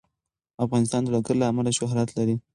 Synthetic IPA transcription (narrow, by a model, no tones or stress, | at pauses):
afɣɑnɪs̬t̪ɑnd̪əlaɡaɾlaːmalaʃʊɦɾɑt̪laɾi